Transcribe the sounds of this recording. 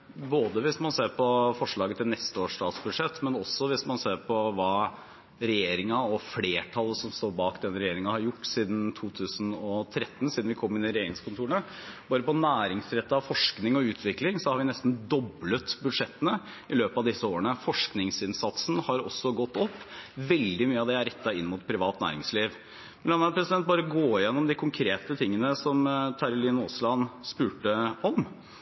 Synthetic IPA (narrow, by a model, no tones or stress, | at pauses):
boːd̪əʋɪsmɑnseːɾpɔfɔʂɭɑːɡət̪ʰɪlnɛst̪əoːʂʈɑːt̪sbʉd̪ʂɛt̪ːmɛnɔsːɔʋɪsmɑnseːɾpʰɔʋɑː | ɾɛjeːɾɪŋɑɔfleːʈʰɑlːəsɔmst̪oːɾbɑːkd̪ɛnɾɛjeːɾɪŋəhɑɾjʊʈːsiːd̪nt̪ʰuːt̪ʰʉːsənɔt̪ʰɾɛt̪ːn̩siːd̪nʋɪkʰɔmːɪnɪɾɛjeːɾɪŋskʰʊnt̪uːəɳəbɑːɾəpɔnæːɾɪŋsɾɛt̪ːəɑʋfɔʂknɪŋɔʉːt̪ʰʋɪklɪŋsɔhɑɾʋɪnɛst̪n̩d̪ɔblət̪bʉd̪ʂɛt̪ːənə | ɪløːpɑʋd̪ɪsːəoːəɳəfɔʂknɪŋsɪnsɑt̪sn̩hɑɾɔ̰sːɔɡɔt̪ːɔpːʋɛld̪ɪmyːəɑʋd̪ɛæɾɛt̪ːɑɪ̰nːmʊt̪pʰɾɪʋɑːt̪næ̰ːɾɪŋsliːʋ | mnlɑnɑpʰɾɛsɪd̪ɛnt̪̚bɑːɾəɡoːɪjɛnːɔmd̪ɪkʰʊŋkʰɾeːt̪ət̪ʰɪŋːənəsɔmt̪ʰɑɾʊliːnɔːslɑnspʉːʈəɔm